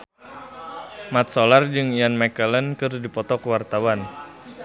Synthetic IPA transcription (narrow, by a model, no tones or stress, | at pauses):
mat̪̚solard͡ʒɨŋijanmɛkələnkɨrdipɔt̪ɔkwart̪awan